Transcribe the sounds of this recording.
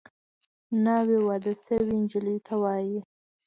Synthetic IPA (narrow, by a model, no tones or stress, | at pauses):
nawewɑd̪asəwind͡ʒɪlit̪ʰawɑji